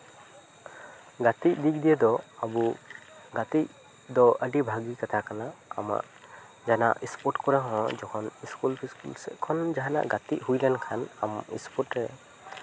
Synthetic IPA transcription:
ɡat̪ic̚d̪ik̚d̪ijɛd̪ɔabuɡat̪ic̚ | d̪ɔəɖibʱaɡikat̪ʰakana̰ːma̰ʔ | d͡ʒana̰ʔispɔɾʈkɔɾɛɦɔ̃d͡ʒɔkʰɔniskulpʰiskṵlsɛ̰ʔkʰɔnd͡ʒaɦana̰ʔɡat̪iʔhujlɛnkʰanamḭspɔʈɾɛ

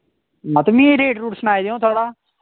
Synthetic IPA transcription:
mət̪mĩːeɾeːʈɾuːʈsənaːiːd̪eõːt̪ʰoːɽaː

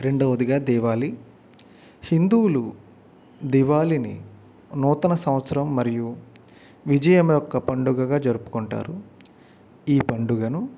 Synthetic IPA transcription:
ɾe̞ɳɖoːʋɐd̪iɡaːd̪ɛːʋaːli | hind̪uːlu | d̪ɛːʋaːlinḭ | nɔːt̪ɐnɐsɐ̃mɐt̪sɐɾɐmːɐɾiju | ʋid͡ʒɐjɐmɐjɔkːɐpɐɳɖuɡɐɡaːd͡ʒɐɾupu̥koɳʈa̰ːɾu | iːpɐɳɖuɡɐnu

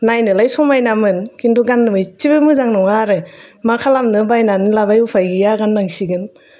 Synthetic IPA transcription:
najnɯlajsɔmajnamɯnkinduɡanːɯmɯjt͡ʃibɯmɯzaŋnɔŋaɾɯmakʰalamnɯbajnanɯlabajupʰajɡijaɡanːaŋsiɡɯn

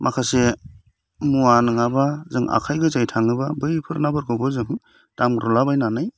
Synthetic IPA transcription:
mʔakʰase | muanɯŋabazɯŋa̰kʰajɡɯzajtʰaŋɯbabɯjpʰɯɾnabɯɾɡɯbɯzɯŋ | d̥amɾɔlabajnanɯj

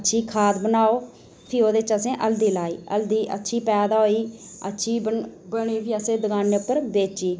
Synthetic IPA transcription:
ətːʃʰiːkʰaːd̪bənaːoː | pʰiːoːd̪eɪt͡ʃəsẽːʔəld̪iːlaːiːə̰ld̪iːʔə̰tːʃʰiːpɛːd̪aːoːiːə̰tːʃʰiːəbəɽ̃iːbiːəsẽːd̪əɡaːneːʊpːəɾbeːt͡ʃiː

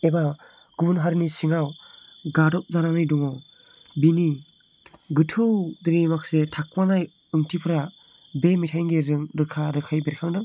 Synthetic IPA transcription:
eba | ɡ̥unɦaɾnisiŋawɡadɔp̚zaɾanijdɔŋɔ | bini | ɡɯtʰɯwdiɾimaksetʰak̚panaj | ɯŋtʰipʰɯɾa | bemitʰajŋɡeɾɯŋɾɯkʰaɾɯkʰajbeɾkʰaŋdɯ

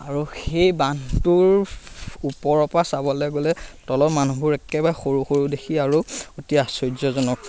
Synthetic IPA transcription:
aɹuxejbantuɹ | upɔɹɔpasabɔlɛɡolɛtɔlɔmanubʱuɹɛkɛbajxoɹuxoɹudekʰiaɹuotiasɔjzɔzɔnɔk̚

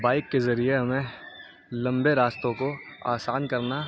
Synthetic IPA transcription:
baːɪkːezɐɾieɦɐmẽ | lɐ̃mbeɾaːst̪õkoa̰ːsaːnkɐɾna

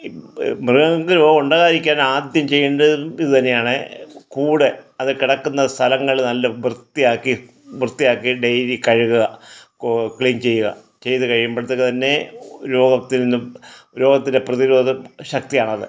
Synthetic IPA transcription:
mrɨɣɐkɨɾo̞ːɡɐmuɳɖaːɣaːɾikʲːaːnaːd̪jɐmt͡ɕe̞jːɳɖɐiðɨt̪ɐnːe̞jaːɳɨkuːɽe̞ɐðɨkiɽɐkːunːɐst̪ʰɐlɐŋːɐɭnɐlːɐbrɨt̪ːijaːkːi | brɨt̪ːijaːkːiɖejɾikɐɻuɣuɣɐ | kɭiːnt͡ɕe̞jːuɣɐ̰ | t͡ɕe̞jt̪ɨkɐɻijumbɐɭt̪ːekːt̪ɐnːe̞ɾo̞ːɡɐt̪ːinnːɨuɾo̞ːɡɐt̪ːinde̞prɐðiɾo̞ːd̪ɐmɕɐk̚t̪ijaːɳɐðɨ̰

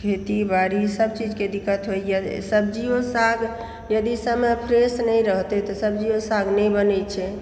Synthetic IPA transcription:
kʰet̪ibaɽisəbt͡ʃid͡ʒked̪ikːət̪ɦojjəsəbd͡ʒiosaɡ | jəd̪isəmepʰɾesnɛjɾəɦt̪et̪ɔsəbd͡ʒiosaɡnɛjbənɛt͡ʃʰɛ

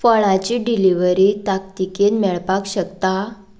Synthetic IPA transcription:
fəɭãt͡ɕiɖiliʋəɾit̪akt̪ikenmɛɭpakɕəkt̪a

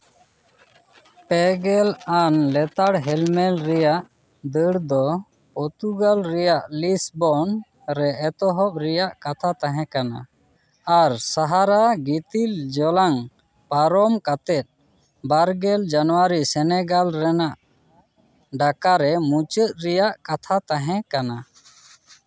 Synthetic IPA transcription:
pɛɡɛlanlɛt̪aɽɦɛlmɛlɾɛjaʔ | d̪əɽd̪ɔ | pɔt̪uɡalɾɛjaʔlisbɔn | ɾɛːt̪ɔɦɔp̚ɾɛjaʔkat̪ʰat̪ãɦɛ̃kana̰ | aɾsaɦaɾaɡit̪ild͡ʒɔlaŋ | paɾɔmkat̪ɛt̪̚ˀ | baɾɡɛld͡ʒanɔwaɾisɛnɛɡalɾɛnaʔ | ɖakaɾɛmut͡ʃət̪̚ɾɛjaʔkat̪ʰat̪ãɦɛ̃kana

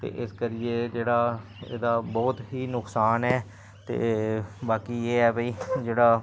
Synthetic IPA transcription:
t̪ḛːʔɪskəɾɪeːd͡ʒeːɽaːḛːd̪aːbɔːt̪ɦiːnʊksaːnɛː | t̪ḛːbaːkiːeːɛːbəiːd͡ʒeːɽaː

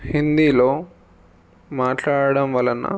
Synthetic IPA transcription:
hind̪iːlo̞ː | maːʈlaːɽɐɽɐmʋɐlɐnːɐ̰

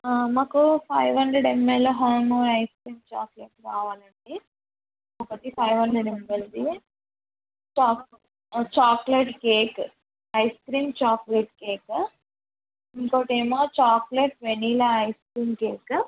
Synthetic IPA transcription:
maːkupʰɐjʋɦɐɳɖɾeɽɖemːelloːɦaːmoːɐjskɾiːmt͡ʃaːkleʈɾaːʋaːlɐɳɖi | opɐt̪ipʰɐjʋɦɐɳɖɾeɖemːeld̪i | t͡ʃaːk | t͡ʃaːkleʈkeːk | ɐjskɾiːmt͡ʃaːkleʈkeːk | iŋkoːʈeːmaːt͡ʃaːkleʈʋeniːlɐːjskɾiːmkeːk

